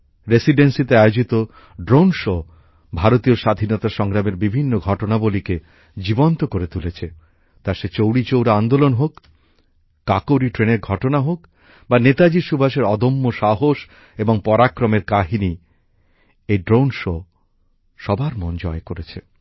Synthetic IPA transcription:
ɾesiɖensit̪eajod͡ʑit̪o | ɖɾownʃo | bʱaɾot̪ioʃad̪ʱinɔt̪aʃɔŋɾameɾbibʱinːoɡʱɔʈonabolike | d͡ʑibont̪okoɾet̪ulet͡ɕʰe | t̪aʃet͡ɕowɽit͡ɕowɾaand̪olonɦokː | akoɾiʈɾeneɾɡʱɔʈonaɦok | banet̪ad͡ʑiʃubʱaʃeɾɔd̪omːoʃaɦoʃ | eboŋpɔɾakɾomeɾkaɦini | eɖɾownʃo | ʃɔbʱaɾmond͡ʑɔekoɾet͡ɕʰe

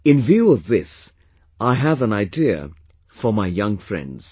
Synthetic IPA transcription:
ɨ̃nvjʉʌvðɪs | ʔaɪɨvə̃naɪdiɨ̰ | fə˞maɪjʌ̃ŋfɹɛ̰̃ndz̥

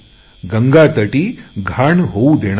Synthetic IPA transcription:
ɡəŋɡat̪əʈiːɡʱaːɳɦoud̪eɽ̃

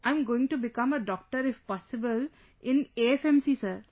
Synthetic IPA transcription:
ãɪ̃mɡoːɪ̃ŋʈubɪkʌ̃məɖɔːk̚ʈəɾɪfpɔsɪbəl | ʔɪ̃neɛfɛ̃msiːsəɾ

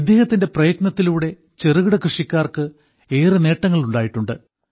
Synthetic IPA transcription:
id̪ʱːeːhɐt̪ːinde̞prɐjɐɡnɐt̪ːiluːɽe̞ | t͡ɕe̞ruɣiɽɐkrɨʂikʲːaːrkɨ | e̞ːrɨne̞ːʈːɐŋːɐɭuɳɖaːjiʈːuɳɖɨ

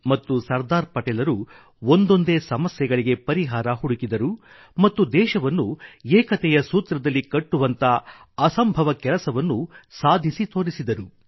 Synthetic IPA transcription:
mɐt̪ːusɐɾd̪aːɾpɐʈɛːlɐɾu | ond̪o̞nd̪e̞ːsɐmɐsjɛɡɐɭiɡe̞pɐɾiɦaːɾɐɦuɽukid̪ɐɾu | mɐt̪ːud̪ɛːʃɐʋɐnːueːkɐt̪ɛjɐsuːt̪ɾɐd̪ɐlːikɐʈːuʋɐnt̪ɐ | ɐsɐmbʱɐʋɐkɛlɐsɐʋɐnːusaːd̪ʱisit̪o̞ːɾisid̪ɐɾu

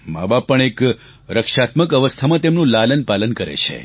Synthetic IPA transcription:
ma̰bab̚ːəɳ̃ek | ɾəkʃat̪məkəʋəst̪ʰamãt̪emnũlalənpalənkəɾḛt͡ʃʰḛ

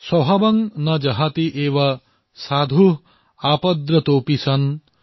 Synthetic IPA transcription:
sɐɦɐbɐŋnɐd͡ʒɐɦat̪iʔeːʋɐ | saːd̪ʱu | aːpɐd̪ɾɐt̪oːpisɐn

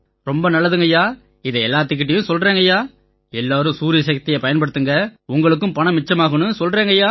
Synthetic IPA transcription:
ɾɔmbɐnɐlːɐðɯŋɡɐjaː | ɪðɐɛlːaːt̪̬ːɯk̬ːɪʈ̬ːɐjɯ̃sɔlrɾeːŋɡɐjaː | ɛlːaːɾɯ̃suːɾɪjɐsɐk̚t̪ɪjɐpɐjɐnpɐɽɯt̪ːɯŋɡɐʊŋɡɐɭɯk̬ːɯ̃mpɐɳɐmɪt͡ʃːɐmaːɣɐnɯsɔlreːŋɡɐjaː

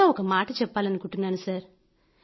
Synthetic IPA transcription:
aːɔkːɐmaːʈːɯt͡ʃɛpːaːlɐnːɯkʊʈːɯnːaːnɯsaːɾ

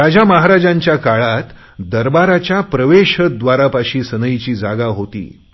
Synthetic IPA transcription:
ɾad͡ʑaməɦaɾad͡ʑãɲt͡ɕjakaɭat̪ | d̪əɾbaɾat͡ɕjapɾəʋeɕəd̪ʋaɾapaɕiːsənəjt͡ɕiːd͡zaɡaɦot̪ḭː

